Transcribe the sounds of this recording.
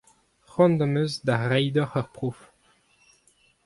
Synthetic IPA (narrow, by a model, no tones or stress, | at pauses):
χɔ̃nd̪ɑmøzd̪aʁɛjd̪ɔʁœʁpχof